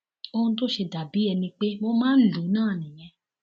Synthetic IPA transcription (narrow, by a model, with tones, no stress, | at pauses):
o˧ũ˧t̬o˦ʃe˧da˨bi˨˦ɛ˧nĩ˧k͡pe˦mo˧mãː˦n̩˦lu˨˦nãː˦˨nĩ˨j̃ɛ̃˧